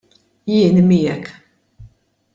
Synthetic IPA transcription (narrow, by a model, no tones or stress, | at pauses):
jɪːnmiːjɛk